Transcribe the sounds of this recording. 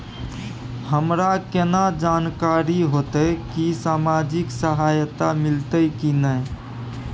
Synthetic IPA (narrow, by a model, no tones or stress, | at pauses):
həmɾakenad͡ʒankaɾiɦot̪əkisamad͡ʒiksəɦajt̪amilt̪əkinəj